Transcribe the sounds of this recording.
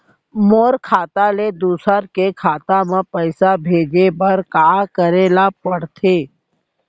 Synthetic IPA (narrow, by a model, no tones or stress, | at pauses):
moːɾkʰaːt̪aled̪uːsəɾkekʰaːt̪amẽpəɪsabʱeːd͡ʒebəɾkaːkəɾeːlapəɽt̪ʰeː